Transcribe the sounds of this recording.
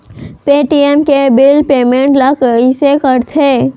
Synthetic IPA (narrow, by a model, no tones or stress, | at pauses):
peːʈiemkebɪlpeːmẽːɳʈləkisekəɾt̪ʰeː